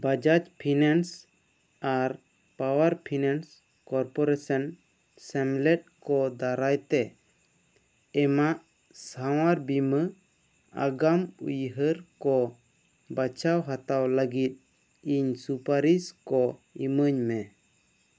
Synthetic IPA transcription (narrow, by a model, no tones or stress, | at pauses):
bad͡ʒat͡ʃpʰinans | aɾ | pawaɾpʰinans | kɔɾpɔɾesan | sɛmlɛt̪̚kɔd̪aɾajt̪ɛ | maʔ | saw̃aɾbimə | a̰ɡamṵjɦəɾkɔ | bat͡ʃawɦat̪awləɡit̪̚ | iɲsupaɾiskɔiməɲmɛ